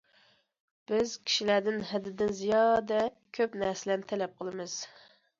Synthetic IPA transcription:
b̥ɪzkʲʰi̥ʃilæd̪ɪnɦɛd̪ːɪd̪ɪnzijɑd̪ɛ | kʲʰøpnɛɾsɪlænt̪ʰɛlɛp̚qʰəlˠɨmɨz̥

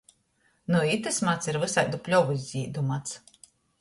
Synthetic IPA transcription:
nuit̪ɨsmat̪siɾvɨsajd̪upʲlʲɔvizʲzʲiːd̪umat̪s

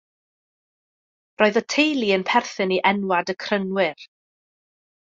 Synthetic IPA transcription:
rʔoːɨðətʰejlˠiənpʰɛrθɨniʔɛnwadəkʰrənwɪr

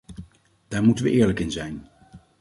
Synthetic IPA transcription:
d̥aːɹmutənʋə̰ʔɪːɹləkɪnzɛjn

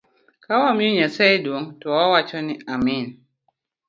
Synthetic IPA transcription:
kawamɪoɲasɛjdwoŋtɔɔwat͡ʃɔnɪamin

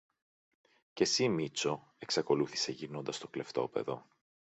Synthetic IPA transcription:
ce̞simit͡so̞ | e̞ksɐko̞luθi̥se̞ʝino̞nd̪ɐst̪o̞kle̞ft̪o̞̰pe̞̰ðo̞̰

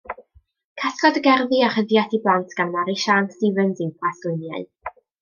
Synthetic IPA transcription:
kʰaskɔdəɡɛrðiaχəðjatʰiblˠantʰɡ̥anmaɾiʃanstiːvənzipʰaslɪnjaɨð

